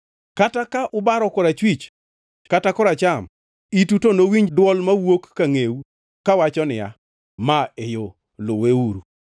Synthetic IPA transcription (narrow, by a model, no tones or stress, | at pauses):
katakaʔʊbaɾɔkɔɾat͡ʃwit͡ʃ | katakɔɾat͡ʃam | itutonowiɲdwɔlmawokːaŋeu | kawat͡ʃɔnɪja̰ | maejo | loweuɾu